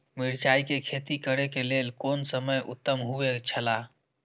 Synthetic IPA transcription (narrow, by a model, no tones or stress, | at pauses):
miɾt͡ʃaikekʰet̪ikəɾekelelkonsəməjʔṵt̪ːəmɦuet͡ʃʰəla